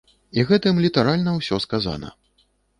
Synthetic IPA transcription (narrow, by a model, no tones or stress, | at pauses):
iɣɛt̪ɨmlʲit̪aɾalʲnɐwsʲɔskaza̰nɐ̰